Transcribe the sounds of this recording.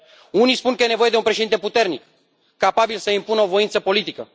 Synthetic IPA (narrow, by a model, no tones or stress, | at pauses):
unispunkəje̞neo̞jed̪eunpɾe̞ʃed̪int̪e̞put̪e̞rnikː | apabilsəimpunəo̞vo̞int̪səpo̞lit̪ikə